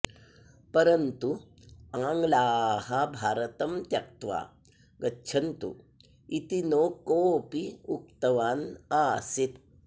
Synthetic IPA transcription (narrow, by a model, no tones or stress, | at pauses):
pɐɾɐnt̪u | aŋɡlaːhabʱaːɾɐt̪ɐmt̪jɐk̚t̪ʋa̰ | ɡɐtːɕʰɐnt̪ṵ | it̪inokoːpiuk̚t̪ɐʋaːnaːsit̪̚